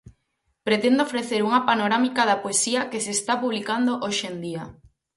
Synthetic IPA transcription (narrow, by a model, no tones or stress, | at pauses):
pɾet̪end̪oofɾeθeɾuŋapanoɾamikaðapoesiakesest̪apuβ̞likand̪oʔoʃend̪ia